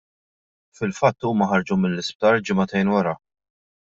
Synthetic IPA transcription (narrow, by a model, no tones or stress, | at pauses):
fɪlfɐt̪ːuːmɐħɐɾd͡ʒumɪlːɪsp̚t̪ɐːɾd͡ʒɪmɐt̪ɛjnwɐɾɐ